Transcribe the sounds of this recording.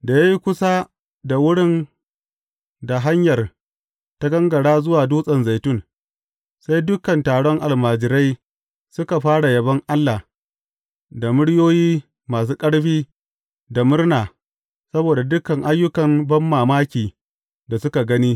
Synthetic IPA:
da˨ja˦ji˦kʷʊ˦sa˦ | da˨wʊ˦ɽɪ˦n | da˨ɦa˦ɲjɐ˨r | ta˦ɡɐ˦ŋɡɐ˨ɽaː˦zʊ˦waː˨duː˦sʼɐ˨nza˨jtʊ˦˨n | sa˦jdʊ˦kɐ˨ntaː˨ɽɔ˦ŋʔa˨lmaː˨d͡ʒɪ˨ɾa˦j | sʊ˦ka˨ɸaː˦ɽa˨jɐ˨bɐ˦ŋʔa˦lːa˨ | da˨mʊ˦ɽjoː˦jiː˦ | maː˨s̬uː˦kʼɐ˦ɽɸiː˦ | da˨mʊ˦rnaː˨ | sɐ˦boː˨da˨dʊ˦kɐ˨ŋʔa˦jːʊ˦kɐ˨mbɐ˦mːaː˨maː˦kʲiː˨ | da˨sʊ˦ka˨ɡɐ˦niː˦

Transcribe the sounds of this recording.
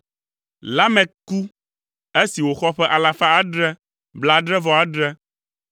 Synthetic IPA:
la˦mɛ̃˨ku˦ | e˦si˨wo˨xɔ˦ɸɛ˦ʔa˨la˨fa˦a˦ɖɾɛ˦ | bla˦ɖɾɛ˦vɔ˦a˨ɖɾɛ˦

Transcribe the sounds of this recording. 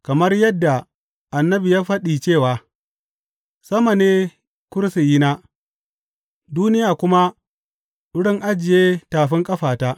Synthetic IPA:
kɐ˨mɐ˦rjɐ˦dːa˨ | ʔa˨nːɐ˦bi˨jaː˦ɸɐ˦ɗiː˨t͡ʃeː˦˨waː˨ | sɐ˦ma˨neː˦ | kʷʊ˦ɾsi˨ji˦naː˦ | duː˦nɪ˦jaː˨kʷʊ˦ma˦ | ɗʊ˦ɽɪ˦ŋʔa˦d͡ʒɪ˨jeː˦taː˨ɸɪ˦ŋkʼɐ˦ɸaː˨taː˦ʔ

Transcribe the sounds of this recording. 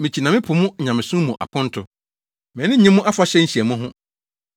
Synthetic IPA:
mɪ̃˨t͡ɕʰi˨nã˨mɪ̃˦pʰʊ˨mʊ̃˦˨ɲã˨mɪ̃˨sũ˦mũ˨ʔa̰˨kʰʊ̃˦n̩˦tʰʊ˨ | mɛ̃˨˦nɪ̃˦ɲĩ˦mʊ̃˦ʔa˦fa˦ɕɛ˦ɲ̩˦ɕi˨ɛ˨mʊ̃˦ɦʊ̃˦

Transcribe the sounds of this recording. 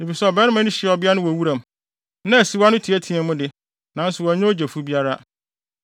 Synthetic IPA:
e˨fi˨sɛ˦ɔ˨bɛ˦nɪ̃˦mã˦nʊ̃˦ɕɪ˨ɔ˨bɪ˦a˦nʊ̃˦wɔ˨wu˦ɾã˨m˨ | nã˦æ˨si˨wa˦nʊ̃˦tʰi˨æ˦tʰĩ˨ɛ̃˨mʊ̃˦dɪ˨ | nã˨n̩˦sʊ˨wɔ˨ɲɛ̃˦o˦d͡ʑe˨fu˦bi˦a˦ɾa˦

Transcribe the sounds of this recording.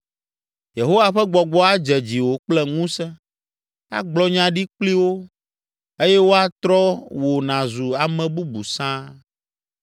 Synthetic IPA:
je˨ɦo˦wa˨ɸɛ˦ɡ͡bɔ˨ɡ͡bɔ˦a˦d͡ʒɛ˨d͡ʑi˨wo˨k͡plɛ˦ŋũ˦sɛ˦ | a̰˦ɡ͡blɔ˦ɲã˦ɖi˦k͡pli˦wo˦ | e˦jɛ˦wo˦a˦t̪ɾɔ˦wo˨nã˨zu˨a˨mɛ̃˨bu˦bu˨sã˦

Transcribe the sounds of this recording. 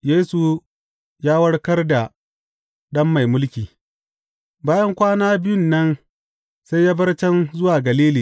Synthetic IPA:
jeː˦su˨ | jaː˦wɐ˦ɽkɐ˦rda˨ | ɗɐ˦mːa˨jmʊ˦lkʲiː˨ | baː˦jɐ˦ŋkʷaː˦naː˦bɪ˦jʊ˦˨nːɐ˦n | sa˦jjaː˦bɐ˦rt͡ʃɛ˦nzʊ˦waː˨ɡɐ˨liː˦liː˨

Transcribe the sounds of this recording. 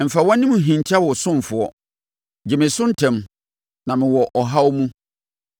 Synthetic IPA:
m̩˨fa˨wɔ̃˦nĩ˦mũ˨ɦĩ˨n˨tʰa˦wɔ˨sʊ̃˦m˨fʊ˨ɔ˦ | d͡ʑɪ˨mɪ̃˨sʊ̃˦n̩˦tʰɛ̃˨m | nã˨mɪ̃˨wɔ˨ʔɔ˨ɦa˦wɔ˦mũ˦

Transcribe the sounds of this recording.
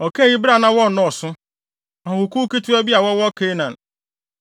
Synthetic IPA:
ɔ˨ke˦ɣi˦bɾa˨na˦wɔ˦˨nɔ˨sʊ˦ | ɔ˨ɦʊ˨ku˦ke˦tu˦e˦bja˨wɔ˦wɔ˦ke˦na˨n̩˨

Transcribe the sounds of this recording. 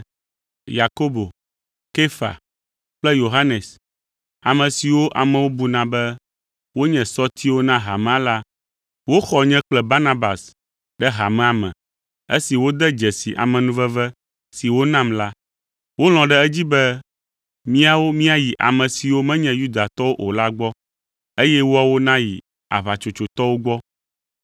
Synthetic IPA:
ja˨ko˦bo˨ | ke˦fa̰˨ | k͡plɛ˦jo˨ɦa˦nɛ˨s | a˨mɛ̃˨si˨wo˦ʔa˨mɛ̃˨wo˦bu˨nã˨bɛ˦ | wo˦ɲɛ̃˨sɔ˦t̪ʰi˦wo˦nã˦ɦa˨mɛ̃˦a˦la˦ | wo˦xɔ˨ɲɛ̃˦k͡plɛ˦ba˦nã˦ba˨s | ɖɛ˦ɦa˨mɛ̃˨a˨mɛ̰̃˨ | ḛ˦si˨wo˦d̪ɛ˦d͡ʒɛ˨si˨ʔa̰˨mɛ̃˨nũ˦vɛ˦vɛ˦ | si˨wo˦nã˦˨mla˦ | wo˦l̃ɔ̃˨ɖɛ˦ɛ˦d͡ʑi˦bɛ˦ | mĩ˦a˨wo˦mĩ˦a˨ji˨ʔa̰˨mɛ̃˨si˨wo˦mɛ̃˦ɲɛ̃˨ju˦d̪a˨t̪ɔ˦wo˦ʔo˨la˦ɡ͡bɔ˦ | e˦jɛ˦wo˦a˨wo˦nã˦jḭ˨ | a̰˨βa˨t͡ʃo˨t͡ʃo˨t̪ɔ˦wo˦ɡ͡bɔ˦

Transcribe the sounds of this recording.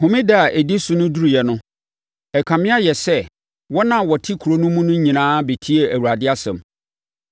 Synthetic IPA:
hʊ̃˨mĩ˦da˦˨ʔe˨di˦su˨nʊ̃˦du˦ɾu˨jɛ˨nʊ̃˦ | ɛ˨kʰã˨mɪ̃˦a˦jɛ˨sɛ˦ | wɔ˦nã˨wɔ˨tʰi˦kʰu˨ɾo˦nʊ̃˦mũ˦nʊ̃˦ɲĩ˨nãː˦be˨tʰi˦e˨æ˨wu˨ɾa˨dɪ˦a˦sɛ̰̃˨m

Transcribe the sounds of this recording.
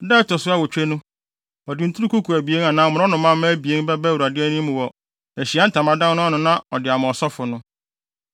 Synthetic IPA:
dɛ˦tɔ˨sʊ˦a˦wɔ˨t͡ɕᶣe˦nʊ̃˦ | ɔ˨dɪ˨n̩˦tʰɾu˦ku˦kʰu˨æ˨bi˨e˦na˨nã˨mʊ˨ɾɔ˦nʊ̃˨˦mã˦m˦bi˨e˦n˦bɛ˦bɛ˦wu˨ɾa˨dɪ˦ɛ˦nĩ˦mʊ̃˨wɔ˨ | æ˨ɕi˨a˦n̩˦tʰa˨mã˨˦dã˦nnʊ̃˦ɔ˦nʊ̃˨nã˦ɔ̰˨dɪ˨a˨mʊ̃˨ɔ˨sɔ˦fʊ˨nʊ̃˦

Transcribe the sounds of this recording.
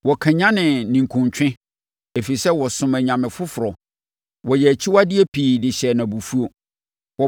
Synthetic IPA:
wɔ˨kʰã˨ɲã˦nɪ̃˨nĩ˨ŋ̩˨kʰʊ̃˨ɲt͡ɕʰᶣɪ̃˦ | e˨fi˨sɛ˦wɔ˨sʊ̃˨mæ˨ɲã˨mɪ̃˨fʊ˦fʊ˨ɾɔ˨ | wɔ˨jɛ˨æ˨t͡ɕʰi˦wa˦dɪ˦e˦pʰiː˨dɪ˨ɕɛ˨nã˨bu˨fu˦o˨ | wɔ˨

